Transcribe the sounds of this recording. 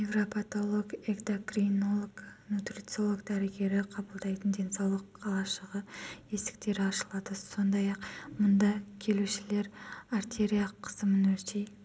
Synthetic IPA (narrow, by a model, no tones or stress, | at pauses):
niɡropʰat̪o̞lˠoɡeɡd̪okrinolˠoɡnut̪rʲit̪siolˠoɡd̪æɾɪɡʲe̞ɾɪqʰɑbəlˠd̪ɑjt̪ənd̪e̞nsɑwlˠəqɑlˠɑʃəʁəe̞sɪ̥k̚t̪e̞ɾɪɑʃəlˠɑd̪əso̞nd̪ɑjɑqmʊnd̪ɑkʲʰe̞luʃɪle̞ɾaɾt̪e̞ɾʲijaqʰːə̥zəmənɵɾt̪ej